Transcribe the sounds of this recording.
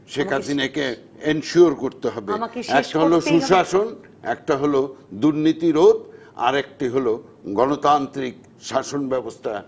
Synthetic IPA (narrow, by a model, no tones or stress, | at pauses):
ʃekʰasʰinake | enʃuoɾkoɾt̪eɦɔbeɛkʈaɦoloʃuʃaʃon | ɛ̰k̚ʈaɦolod̪uɾnit̪iɾod̪ | a̰ɾek̚ʈiɦoloɡɔnot̪ant̪ɾik̚ | ʃaʃonbɛbost̪ʰa